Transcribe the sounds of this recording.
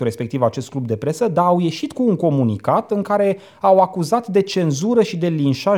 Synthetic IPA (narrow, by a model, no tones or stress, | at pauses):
ɾe̞spe̞kt̪ivat͡ʃe̞st̪̚klub̚d̪e̞pɾe̞səd̪aːwje̞ʃit̪kuːŋko̞munikat̪ɨŋkaɾe̞ | awakuzat̪d̪e̞t͡ʃe̞nzuɾəʃid̪e̞linʃa